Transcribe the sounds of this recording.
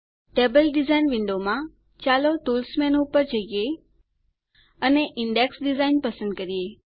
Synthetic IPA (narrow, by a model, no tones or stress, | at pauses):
ʈeːbəlɖɪzaːinʋɪ̃ɳɖomã | t͡ɕaːloʈuːlsmenupəɾd͡ʒəije | əneʔɪɳɖeksɖɪzaːɪnpəsə̃nd̪̚kəɾieː